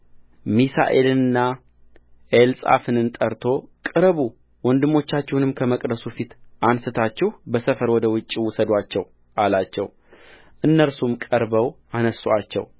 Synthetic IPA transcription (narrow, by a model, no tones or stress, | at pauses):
misa̰ʔḛlɨnɨnːa | ʔelsʼa̰fɨnɨnt̪ʼəɾt̪ʰo̞kʼɨɾβu | wɔnd̪ɨmːo̞t͡ʃːat͡ʃːɛhunɨmkʰəməkʼd̪əsufit̪ʔansɨt̪ʰat͡ʃːɛhbəsəfəɾwɔd̪əwʊt͡ʃʼːiwʊsəd̪ʷat͡ʃːɛw | ʔalat͡ʃːɛ̰w | ʔɨnːəɾsumkʼəɾbəw | anəsoat͡ʃːɛ̰w